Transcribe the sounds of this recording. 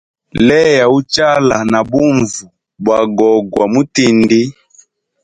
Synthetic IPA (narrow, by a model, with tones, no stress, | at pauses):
lɛ˦ja˨u˦t͡ʃa˦la˨na˨bu˦ɱvu˨ | bwa˨ɡɔ˨ɡwa˨mu˦ti˦ndi˦